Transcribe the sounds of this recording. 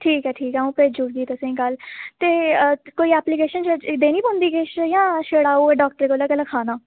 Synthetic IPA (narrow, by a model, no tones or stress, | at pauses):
ʈʰiːkɛːʈʰiːkɛːũːpɾeːd͡ʒʊɽɡ̪iːt̪əsẽːkəlt̪eːkoːiːɛːplikeːʃənt͡ʃəd̪eːnĩːbə̃nd̪iːkɪʃjãːʃeːɽaːuːeːɖaːk̚ʈəɾkolaːkəlakʰaːnaː